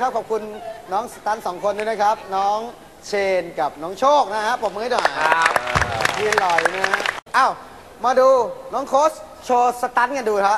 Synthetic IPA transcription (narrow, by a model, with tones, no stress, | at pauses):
kʰa˦˥p̚kʰɔː˨˩p̚kʰu˧nːɔː˦˥ŋsa˧t̪a˦˥nsɔː˩˦ŋkʰo˧nduː˦˥˩na˦˥kʰɾa˦˥p̚nɔː˦˥ŋ | t͡ɕʰeː˧nka˨˩p̚nɔː˦˥ŋt͡ɕʰoː˥˩k̚na˦˥kʰa˦˥ʔpo˨˩mɯː˧˦a˥˩jnɔ˨˩j̚ | ɡi˧nlɔ˨˩jna˦˥ʔa˧˩w | maː˧duː˧nɔː˦˥ŋkʰoː˦˥s | t͡ɕʰoː˧sa˧t̪a˦˥nka˧nduː˧kʰa˦˥p